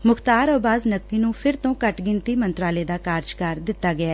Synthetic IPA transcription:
mʊkʰt̪aːɾəːbaːznəkːiːnũːpʰɪɾt̪õːkəʈɡɪnt̪iːmənt̪ɾaːleːd̪aːkaːɾd͡ʒkəɾd̪ɪt̪ːaːɡɪaː

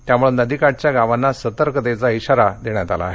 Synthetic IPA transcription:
t̪jamuɭenəd̪ʱikaʈ̚t͡ɕjaɡaʋanːasət̪əɾkəd̪et͡saiɕaɾad̪eɳ̃jat̪ala̰ɦe

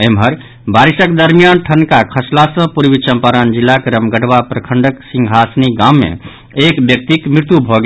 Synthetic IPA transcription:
emɦəɾ | baɾisəkd̪əɾmijanʈʰənkakʰəslasə̃puɾbit͡ʃəmpaɾand͡ʒilːakeɾəmɡəʈbapɾəkʰəɳɖəksĩŋɡʱɦasniɡamːḛ̃ | ekbjək̚t̪ikmɾiɾt̪jubʱɔɡe

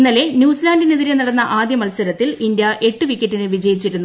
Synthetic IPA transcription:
nːɐle̞njuːsilaːndineðiɾenɐɽɐnːɐʔaːd̪jɐmɐlsɐɾɐt̪ːilind̪jɐʔe̞ʈːɨʋikʲːeʈːinɨʋid͡ʑɐjit͡ɕːiɾunːu

